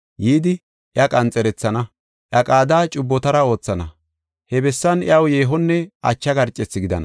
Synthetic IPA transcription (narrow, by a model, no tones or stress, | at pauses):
jiːd̪ɪ | ʔjɐkʼɐnt͡sʼɛɾɛt͡sːɐnɐ | ʔjɐkʼaːd̪aːt͡ʃʼʊbːɔt̪ɐɾɐo̞ːt͡sːɐnɐ | hɛbɛsːɐnj̰ɐwje̞ːɦɔnːɛɐt͡ʃːɐɡɐɾt͡ʃʼːɛt͡sːɪɡɪd̪ɐ̰nɐ